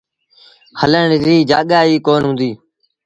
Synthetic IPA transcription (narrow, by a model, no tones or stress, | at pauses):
hələɳɪɾiːd͡ʒa̰ːɠaːiːkoːnɦʊ̃ːnd̪iː